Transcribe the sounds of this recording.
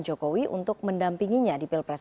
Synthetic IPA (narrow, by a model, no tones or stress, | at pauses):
nd͡ʒokowiʔṵnt̪ʊk̚məndampiŋiɲadipilpɾas